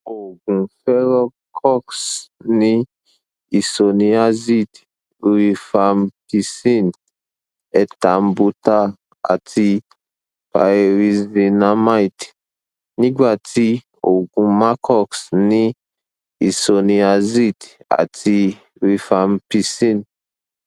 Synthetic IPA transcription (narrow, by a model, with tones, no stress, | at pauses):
o˨ɡũ˨fɛ˦ɾɔ˦ | kʰɔ˦ksnĩ˦ | i˨so˨nĩ˧a˦zi˦˨d | ɾi˧fa˧mpi˧si˦˨n | ɛ˧ta˨m˦bu˧ta˦ | a̰˨tʰi˧ | pa̰˨e˨ɾi˧zi˨na˦ma˦jt | nĩ˦ɡ͡ba˨ti˦ | o˨ɡũ˨˧mã˦kʰɔ˦ksnĩ˦ | i˨so˨ni˨a˨zi˦ta̰˨tʰi˧ | ɾi˧fa˨mpi˧sĩ˦n